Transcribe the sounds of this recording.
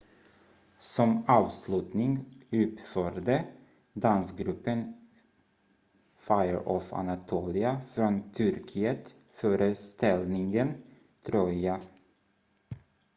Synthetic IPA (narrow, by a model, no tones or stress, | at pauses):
sɔmɑːʋslʉt̪nɪŋʉːp̪føɾd̪ə | d̪ɑnsɡɾʉpən | fɑɪəɹʔɔfɑ̰nɑt̪ʰuːlɪɑfɾɔnt̪ʰʏɾkʰɪət̪ | føːɾəst̪ɛlnɪŋɡən | t̪ʰɾɔʏɑ